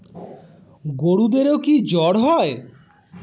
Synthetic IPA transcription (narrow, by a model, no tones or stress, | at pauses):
ɡoɽud̪eɾeokid͡ʑɔɽɦɔe